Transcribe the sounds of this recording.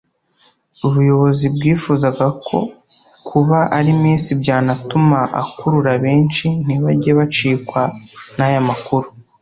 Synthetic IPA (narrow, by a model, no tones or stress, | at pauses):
uβujo̞βo̞zibɡiːfuːzaɡakʰo̞kʰuβaʔaɾimiːnsibɟaːnatumaʔa̰kuɾuɾaβe̞ːnt͡ʃin̥iβaɟeβat͡ʃiːkwanajamakuɾu